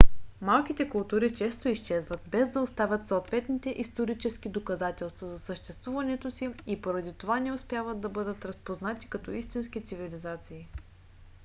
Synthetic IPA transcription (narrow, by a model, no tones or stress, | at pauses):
malˠkit̪ɛkʊlˠt̪uɾit͡ʃɛst̪oist͡ʃɛzvət̪bɛzd̪ɐost̪avʲət̪soːt̪vɛt̪nit̪ɛʔist̪oɾit͡ʃɛskid̪okɐzat̪ɛlˠst̪vɐzɐsəʃt̪ɛst̪vuvɐnɛt̪osiipoɾɐd̪it̪ovanɛospjavət̪̚d̪ɐbɤd̪ət̪ɾəspoznat̪i̥kɐt̪ɔist̪insk̟it̪sivilizat̪siː